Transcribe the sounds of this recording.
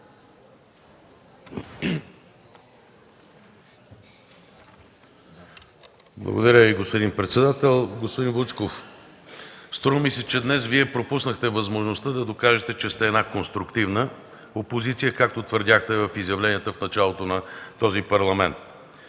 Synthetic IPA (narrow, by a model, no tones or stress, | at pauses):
blˠə̰ɡo̰d̪ɐɾʲjəviɡospod̪inpɾɛt̪sɛd̪at̪ɛlˠɡospod̪invut̪skof | st̪ɾɔvəmisɛt͡ʃɛd̪nɛsviɛpɾopusnəxt̪ɛvɐzmoʒnost̪əd̪ɐd̪okaʒɛt̪ɛt͡ʃɛst̪ɛːd̪nakonst̪ɾʊkt̪ivnə | opozit̪sijəkak̚t̪ot̪vəɾd̪ʲaxt̪ɛvɐfizjɐvlɛniət̪əfnɐt͡ʃalˠot̪onɐt̪ɔzipɐɾlˠɐmɛnt̪̚